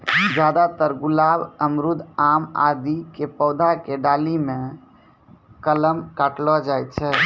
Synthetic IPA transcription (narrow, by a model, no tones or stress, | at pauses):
d͡ʒjad̪at̪əɾɡulabəmɾud̪ʱama̰d̪ikepəːd̪ʱakeɖalimẽ | kələmkaʈlɔd͡ʒajt̪̚t͡ʃʰɛː